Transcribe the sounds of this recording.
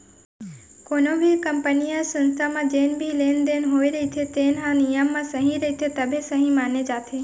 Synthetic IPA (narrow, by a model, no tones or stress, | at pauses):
konõbʱikəmpənijəsə̃nst̪ʰamãd͡ʒenbʱilend̪enɦoiɾəɦit̪ʰet̪enãnijəmːãsəɦĩɾəɦit̪ʰet̪əbʱesəɦĩmaːned͡ʒaːt̪ʰe